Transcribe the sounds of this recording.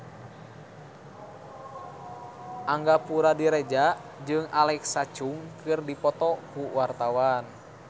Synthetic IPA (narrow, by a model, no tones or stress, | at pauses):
ʔaŋɡapuɾadiɾɛd͡ʒa | d͡ʒɨŋalɛksat͡ʃuŋkɨrdipɔt̪ɔkuwart̪awan